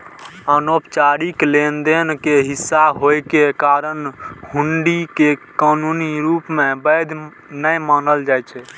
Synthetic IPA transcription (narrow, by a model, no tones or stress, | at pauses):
ənopt͡ʃaɾiklend̪enkeɦisːaɦojkekaɾənhuɳɖikekanuniɾupmebəd̪ʱ | nəjmanəld͡ʒajt͡ʃʰɛ